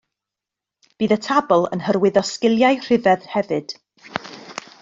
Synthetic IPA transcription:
b̥iːðətʰabɔlˠə̰nhərwɪðɔskɪlˠjaɨr̥ɪvɛðhɛvɨd̥

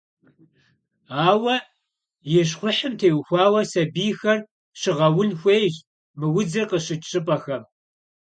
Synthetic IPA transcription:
aːwɐ | jɛɕ̬χʷʊħəmtʰeːwxʷɑːwɐsɐbiːxɐr | ɕɨʁɐwʊnxʷeːjʑ | mɨwʊd͡zɐrqəɕɨt͡ʃt͡ʃʼɨpʼɐxɐm

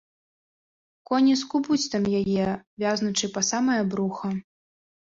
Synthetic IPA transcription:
kɔnʲiskubut͡sʲt̪ɐmjajɛvʲaznut͡ʂɨpɐsamɐjɐbɾuxɐ

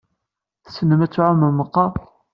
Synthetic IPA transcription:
θsənːəmæt͡sːʕʊməməqːɑˤ

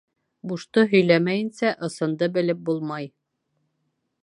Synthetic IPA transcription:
buʃt̪ɤɦɵ̆jlæmæjɘ̆nsæʔɤ̆sɤ̆nd̪ɤbɘ̆lɘp̚bulˠmɑj

